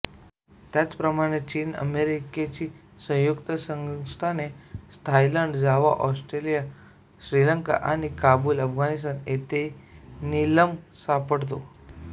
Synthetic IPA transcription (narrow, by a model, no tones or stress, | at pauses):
t̪jat͡spɾəmaɽ̃et͡ɕiːnə̰meɾiket͡ɕiː | sə̃w̃jukt̪əsəŋst̪ʰanest̪ʰajləɳɖd͡zaʋa̰ʔɔsʈɾelija | ɕɾiləŋka̰ʔaɽ̃ikabuːləfɡanist̪anet̪eniləmsapəɽt̪̬o